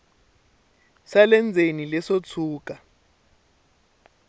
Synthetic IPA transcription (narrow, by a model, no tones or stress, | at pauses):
salɛnd͡zʱenilɛsot͡sʰuːk̬ʼa